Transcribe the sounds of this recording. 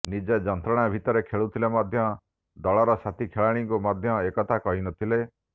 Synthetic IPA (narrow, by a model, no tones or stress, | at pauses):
nid͡ʒed͡ʒɔnt̪ɾɔɽ̃abʱit̪ɔɾekʰeɭut̪ʰilemɔd̪ʱjɔ | d̪ɔɭɔɾɔsat̪ikʰeɭaɽ̃iŋkumɔd̪ʱjɔekɔt̪ʰakɔɦinɔt̪ʰile